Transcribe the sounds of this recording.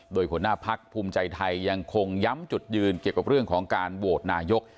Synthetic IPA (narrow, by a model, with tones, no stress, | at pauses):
doː˧jpʰu˩˦naː˥˩pʰa˦˥k̚pʰuː˧mt͡ɕa˧jt̪ʰa˧jːa˧ŋkʰo˧ŋja˦˥mt͡ɕu˨˩t̪̚jɯː˧nki˨˩əwka˨˩ɾɯ˥˩əŋkʰɔː˩˦ŋkaː˧nwoː˨˩t̪̚naː˧jo˦˥k̚